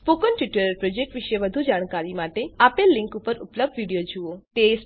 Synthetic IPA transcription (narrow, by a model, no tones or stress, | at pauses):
spokənʈʋiʈəɾəɾpɾod͡ʒek̚ʈʋiʃeʋəd̪ʱud͡ʒaːɽ̃kaɾimaʈeapelːɪ̃ŋkupəɾʊpləb̚ɖʋiɽijod͡ʒuot̪es